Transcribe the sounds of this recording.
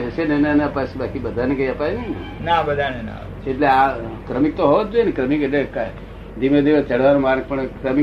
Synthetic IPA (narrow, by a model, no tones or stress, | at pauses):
ɦəʃenenenapasebakibəd̪ʱanekəiəpajnenenabəd̪ʱanena̰ | eʈleakɾəmik̚t̪oɦoʋad͡ʒoenekɾəmikeʈleka | d̪imẽd̪iʋəst͡ʃəɽ̤ʋaɾũmaɾk̚pəɳkɾəmi